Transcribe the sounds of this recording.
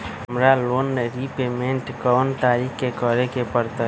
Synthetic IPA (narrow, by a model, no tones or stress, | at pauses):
ɦəmɾalonɾipemeɳʈkɔnt̪aɾikkekəɾekepəɾt̪ə